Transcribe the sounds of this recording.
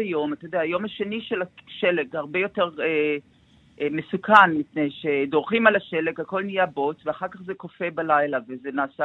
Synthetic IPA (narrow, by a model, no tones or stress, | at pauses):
ajo̞matad̪eaːjo̞maʃe̞niʃelaʃeleɡhaʁbejo̞teʁe | ʔmesukʰanmipnejʃedo̞ʁχimalaʃe̞lekhako̞lnijabo̞t͡sveaχaʁkaχzekofe̞balajlavezenaːsa